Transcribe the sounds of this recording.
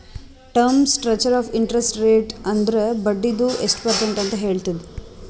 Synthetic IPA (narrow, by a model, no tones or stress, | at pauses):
ʈɐɾmsʈɾɐt͡ʃɐɾaːfiɳʈɾesʈɾeːʈɐnd̪ɐɾebɐɖːid̪uesʈpɐɾsɐɳʈɐnt̪ɐɦe̞ːɭt̪id̪e